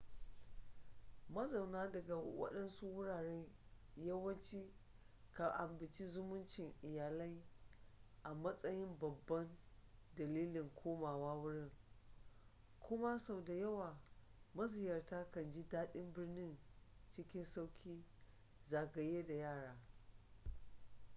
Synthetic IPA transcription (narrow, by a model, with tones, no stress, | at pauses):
mɐ˦za˨wnaː˦dɐ˨ɡa˨wɐ̰˦ɗɐ˦nsu˦wʊ˦ɽaː˨ɽeː˦ | jɐ˦wɐ˦nt͡ʃiː˦ | ka˨ʔa˨mbɪ˨nt͡ʃi˦zʊ˦mʊ˦nt͡ʃɪ˨ŋʔɪ˨jaː˨lɐ˦j | ʔa˨mɐ˦sʼɐ˦jɪ˦mbɐ˨bːɐ˦ndɐ˨liː˦lɪ˨ŋkʷʰoː˦maː˨waː˦wʊ˦ɽɪ˦ŋ | kʷʰʊ˦ma˦sa˦˨wda˨jɐ˦waː˨mɐ˦zɪ˨jɐ˨rtaː˦kɐ˨nd͡ʒi˦daː˦ɗɪ˦mbɪ˦rnɪ˦nt͡ʃɪ˦kʲɪ˦nsa˦wkʲʰiː˦ | zaː˨ɡɐ˨jeː˦da˨jaː˦˨ɽaː˦